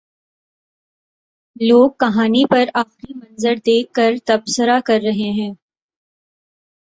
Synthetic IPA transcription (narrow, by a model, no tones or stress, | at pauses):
loːɡ̚kɐɦaːnipɐɾaːxɾimɐ̃nzəɾd̪eːkːɐɾt̪ɐbsəɾakɐɾːɐɦeɦɛ̃ː